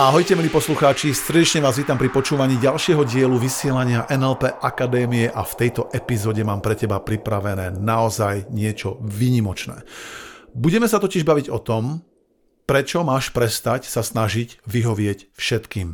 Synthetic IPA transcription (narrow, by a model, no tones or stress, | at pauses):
aɦɔjcɛmiliːpɔsluxaːt͡ʃisɾɛɟɛt͡ʃɲɛʋaːzʋiːt̪ampɾipɔt͡ʃuːʋaɲiːɟalʃɪɛɦɔɟɪɛluʋisɪɛlaɲɪaʔɛnɛlpɛʔakad̪ɛːmijɛʔaft̪ɛjt̪ɔʔɛpizɔːɟɛmaːmpɾɛcɛbapɾipɾaʋɛnɛːnaɔzajɲɪɛt͡ʃɔʋiːɲimɔt͡ʃnɛ̰ː | buɟɛmɛsat̪ɔciʒbaʋiɟɔt̪ɔm | pɾɛt͡ʃɔmaːʃpɾɛst̪acsasnaʒiɟʋiɦɔʋɪɛcfʃɛt̪kiːm